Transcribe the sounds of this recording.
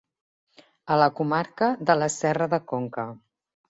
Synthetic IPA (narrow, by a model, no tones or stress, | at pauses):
ələkumaɾkəðələsɛrəðəkoŋkə